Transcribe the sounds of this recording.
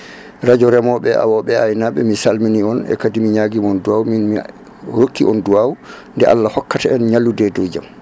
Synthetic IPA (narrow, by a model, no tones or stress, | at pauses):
ɾad͡ʒɔɾɛmɔɓɛʔa̰wɔɓɛajnaɓɛ̰misalminiɔnɛ̰kadimiɲaɡimɔnduwawminmi | ɾokːiʔɔnduwawu | ndɛʔa̰lːahɔkːataɛnɲalːudɛdoːd͡ʒa̰m